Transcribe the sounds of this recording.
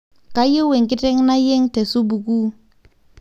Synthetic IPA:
ka˦jɪ˦we˨ŋ˨kɪ˦tɛ˦ŋ˦na˦je˦ŋte˨su˦bu˨ku˦

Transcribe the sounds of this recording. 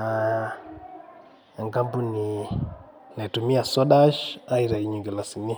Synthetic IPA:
a˨ | a˨ŋɡa˦mbu˦ni˨ | na˨tu˨mi˦a˨so˦ɗa˦ʃa˦i˦ɾa˨i˨˦ɲu˨ɡe˨la˨si˨ni˦

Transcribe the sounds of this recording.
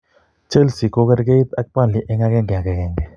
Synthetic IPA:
t͡ʃe˦lsi˨ko˦kɛ˦ɾɡe˦i˦t̪a˦k̚pa˦nli˨ʔɛ˦ŋa˦kɛ˦ŋɡɛ˨a˨kɛ˨kɛ˨ŋɡɛ˨

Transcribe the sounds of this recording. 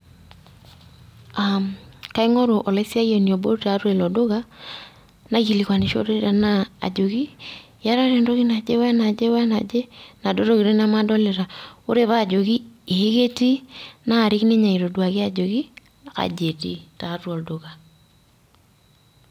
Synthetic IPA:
amka˦i˦ŋɔ˦ɾo˨ʔɔ˨la˦si˦a˦jɔ˨ni˨ɔ˨bo˦ɾta˨˦ɾe˨lɔ˨do˦ka˦ | na˦ɣi˨li˨kwa˨ne˨ʃo̰˦ɾe˦ɾa˨na̰ː˦˨d͡ʒo˨ki˦ | ja˦ɾa˦ɾe˨ndo˦ɣi˦na˨d͡ʒe˦wɛ˦na˨d͡ʒe˦wa˦na˨d͡ʒe˦na˨do˦ɾo˦ki˨ɾe˦na˦ma˦dɔ˦le˨ɾa˨o˦ɾe˦βaː˦˨d͡ʒo˨ki˦e˨˦ɣe˦ti˦naː˦˨ɾi˦kni˦ɲa˨i˨ɾo˨dwa˨ke˦a˦d͡ʒo˨ki˦ | a˨ka̰˨d͡ʒe˨tḭ˦ta˨˦twɔ˨ldo˨ɣa˨

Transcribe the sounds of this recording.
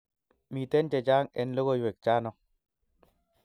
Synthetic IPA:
mi˨te˦nt͡ʃe˨t͡ʃaː˦ŋɛ̰˨nlo˦ɣo˦jwe˨k̚t͡ʃaː˦nɔ˨˦

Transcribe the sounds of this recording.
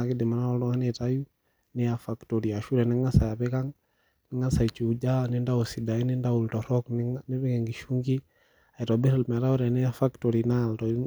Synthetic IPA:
a˨ki˦dɪ˨ma˨na˦ɔltɔ˦ŋa˦ne˦taju˦ | nɛ˦ja˨fa˨kto˨ɾi˨a˨ʃu˦ɾɛ˨ni˦ŋa˦sa˨ja˨pe˦ka˦ŋ | nɪ˦ŋa˦sa˨i˨t͡ʃi˨u˨d͡ʒa˦nɪ˦nda˦usi˨da˨i˦ni˦nda˦u˨ltɔ˨ɾɔ˦knni˦bi˦kɛ˨ŋɡi˨ʃu˦ŋɡi˦ | a˨i˨tɔbi˦ɾi˨lmɛ˨ta˦u˦ɾɛ˨nɛ˦jafakto˨ɾina˨ltɔ

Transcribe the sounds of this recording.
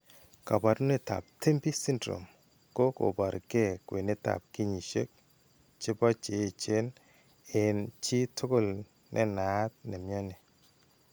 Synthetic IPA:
ka˨ba˨tu˦ne˨ta̰˨p̚tʰe˦mbi˦si˦ndɾo̰˨m | ko˦ko̰˨ba˨ɾke˦˨kwe˨ne˦ta̰˨p̚ki˦ɲi˨ʃḛ˦k̚ | t͡ʃɪ˦bɔ˦t͡ʃe˨˦˨t͡ʃe˦n | ɪ˨nt͡ʃi˦tʰʊ˦kɔ˦l | nʔɛ̰˦na˨˦t̚nɛ˨mjɔ˦ne˨

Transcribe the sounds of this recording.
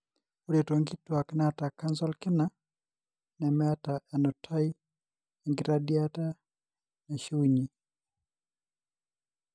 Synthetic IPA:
o˦ɾe˨to˨ŋɡi˦twa˨knɛa˨ta˨ka˦nzɔ˦lkɪ˦na˦ | nɛ˨mɛ˦a˦ta˨ʔɛ˨nɔ˨tʰa˦i˦ | ɛ˨ŋɡɪ˦ɾa˦dja˦ta˦ | nɛ˨ʃu˦ɲi˨

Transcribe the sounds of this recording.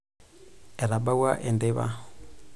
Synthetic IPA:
ɛ˨ɾa˨ɓa˦wa˦ʔɛ˨nde˦βa̰˦

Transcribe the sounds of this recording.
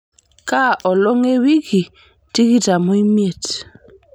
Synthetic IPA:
ka˦ʔɔ˨lɔ˦ŋe˦wi˦ki˨ | ti˦ki˦ta˨mu˦i˦mje˨t

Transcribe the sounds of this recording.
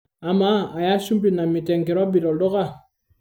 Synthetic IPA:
a˨maː˨˦˨ja˦sũ˦mpi˦˨na˨mi˨tɛ̃˨ŋkɛ˨ɾɔ˦bi˨ɾɔ˨dɔ˦ka˦˨

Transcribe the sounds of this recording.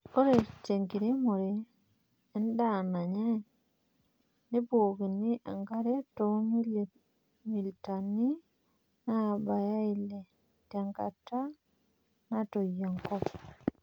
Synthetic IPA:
o˦ɾe˨t͡ʃe˨ŋɡi˨ɾe˦mu˨ɾe˨ | e˦n˦da˦˨na˨ɲɛ˦ | ne˦boːki˨ni˦ʔa̰˨ŋɡa˦ɾe˦tomi˦ | mi˨ltani˦ | na˦˨ba˨ja˦i˦le˨ | ta˨ŋɡa̰˨ta˦ | na˦to˨jɔ˨ŋkɔ˦p

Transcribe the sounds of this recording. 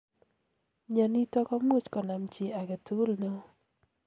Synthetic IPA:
ɲa˨ni˦tɔ˦kɔ˦mu˦˨t͡ʃkɔ˨na˨mt͡ʃe˨a˨ke˨tu˦lno˦

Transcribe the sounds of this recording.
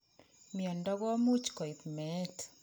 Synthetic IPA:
mi˨ɔ˨ndɔ˦ɡɔ˦mu˦t͡ʃkɔ˨i˨pmɛ˨˦t

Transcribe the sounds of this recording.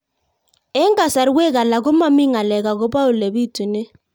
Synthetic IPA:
ɛ˦ŋɡa˨sa˨ɾwɛ˦k̬a˨la˨k̬ɔ˦ma˦mi˦ŋa˨lɛ˨ka˨kɔ˦ba˦u˨le˨bi˦˨tu˨nɛ˦

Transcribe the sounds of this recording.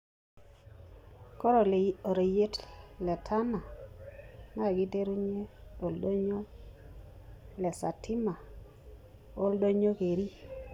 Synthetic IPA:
kɔ˦ɾo˨lo˨ɾe˨je˦tlɛ˨tʰa˦na˨ | na˦˨ɡi˦de˦ɾu˦ɲe˦o˨ldo˦ɲo˦ | lɛ˨sa˨tʰi˦ma˨ | o˦ldo˦ɲo˦ke˨ɾi˦

